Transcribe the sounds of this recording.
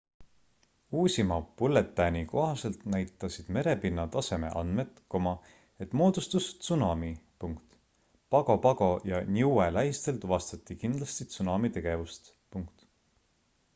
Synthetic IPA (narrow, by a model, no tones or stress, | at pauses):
uːsʲimɑpulːe̞t̪ːˑæniko̞ɦɑse̞lt̪næjt̪ːˑɑsid̪̥me̞ɾe̞pinːɑt̪ɑse̞me̞̰ʔɑ̰nd̪̥me̞t̪ˑko̞mɑ | e̞t̪ːmo̞ːd̪ust̪ust̪sunɑmipuŋkt̪ | pɑɡopɑɡ̥o̞jɑnʲiuelæɦist̪e̞lt̪uvɑst̪ɑt̪ːˑikind̪lɑst̪it̪sunɑmit̪e̞ɡ̥e̞vust̪ | puŋkt̪